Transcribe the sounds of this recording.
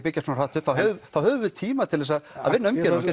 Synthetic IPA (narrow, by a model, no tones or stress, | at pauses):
pɪcːasunar̥aːt̪ʏfawɦœvʏfawhœːvʏvɪt̪ʰiːmat̪ʰɪlvɛsaða̰ðvɪnːʏmcɛːɾɛ